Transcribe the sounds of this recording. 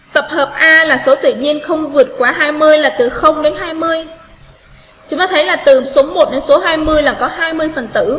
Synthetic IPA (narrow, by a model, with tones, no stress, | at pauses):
t̪ə˨˩p̚həː˨˩p̚ʔaː˧laː˨˩so˨˦t̪ɨ̰˧˨ɲi˧ənxə˧wŋ͡mvɨ˨˩ət̚kwaː˨˦ɦaː˧jmɨ˧əjlaː˨˩t̪ɨ˨˩xə˧wŋ͡mɗe˨˦nɦaː˧jmɨ˧əj | t͡ɕʊ˨˦ŋ͡mt̪aː˧t̪ʰə˨˦jlaː˨˩t̪ɨ˨˩so˨˦mo˨˩t̚ɗe˨˦nso˨˦ɦaː˧jmɨ˧əjlaː˨˩kɔ˨˦ɦaː˧jmɨ˧əjfə˨˩nt̪ɨ̰˧˩˨